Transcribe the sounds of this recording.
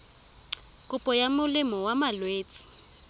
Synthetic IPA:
kʼʊpʼɔjamʊlɪmɔwamalweːt͡sʼi̥

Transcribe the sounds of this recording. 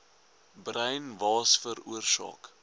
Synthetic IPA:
brəjnvɑːsfəɾuərsɑ̰ːk

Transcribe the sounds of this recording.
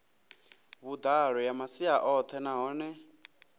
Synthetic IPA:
βud̪aɺɔjamasiaʔɔt̪ʰɛnaɦɔːnɛ

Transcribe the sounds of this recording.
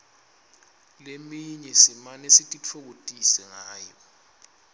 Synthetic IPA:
lemiɲɛsimanesitʼit͡fʰok̬otʼisɛŋaːjɔ

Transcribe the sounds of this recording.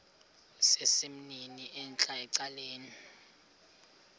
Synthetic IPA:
sesim̩niniʔɛnt͡ɬʼaɛǀaleːni

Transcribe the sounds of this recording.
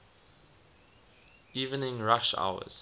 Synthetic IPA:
iːvə̃nɪ̃ŋɹaʃa̰ʊə̰z̥

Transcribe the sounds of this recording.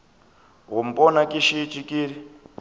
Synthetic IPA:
ɦum̩pʼɔnakʼiʃit͡ʃʼikʼiːɾi

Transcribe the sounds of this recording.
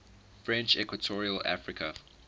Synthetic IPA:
fɹɛ̃nt͡ʃɛkwətʰɔɹiəla̰fɹɪkʰə

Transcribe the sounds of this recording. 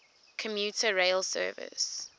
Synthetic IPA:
kʰəmjutʰəɹeɪlsɜ̰ːvɪ̰s

